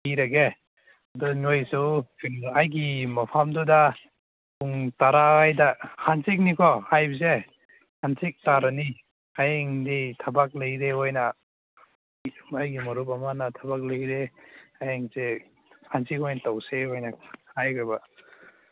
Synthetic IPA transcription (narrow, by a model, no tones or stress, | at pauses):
iɾaɡe | adɔnojsuwajɡimapʰamduda | uŋtaɾaajdahʰansik̚nikʰɔhajbze | hansik̚taɾani | ajeŋditʰabak̚lejɾeojna | ajɡimɔɾup̬amanatʰabak̚leɾeajeŋze | hʰansikɔjnatawseojnahajkɾaba